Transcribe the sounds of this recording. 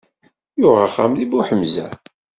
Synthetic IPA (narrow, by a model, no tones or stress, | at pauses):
jʊʁaχːa̰mlibuħəmzæ̰